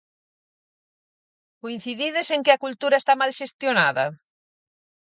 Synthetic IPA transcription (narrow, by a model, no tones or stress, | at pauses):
koin̟θiðiðeseŋkɪɐkult̪uɾɐest̪amalʃest̪jonaðɐ̰